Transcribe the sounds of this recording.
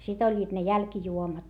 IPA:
sit olʲːiːt ne jælkĭjuomɑt

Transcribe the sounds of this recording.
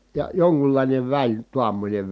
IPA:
jɑ joŋkulːɑˑineʋ ʋælʲ tuɑmːonʲeʋ

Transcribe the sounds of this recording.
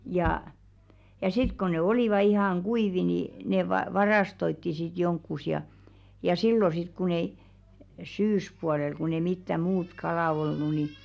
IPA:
jɑˑ jɑ sit ko ne oliˑʋɑ ihɑŋ ɡ̊uiʋi ni ne ʋɑ ʋɑrɑstoitːi sit jonkːus jɑ jɑ silːo sit kun ei syːspuɑlel kun ei mitːæ muːt kɑlɑˑ olnu ni

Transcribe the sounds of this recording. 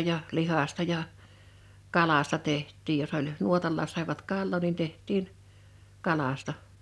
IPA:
jɑ lihɑstɑ jɑ kɑlɑstɑ tehtˑiːj jos olʲ nuotɑlːɑːs sɑˑiʋɑt kɑlːoˑ nin tehtˑiːn kɑlɑstɑ

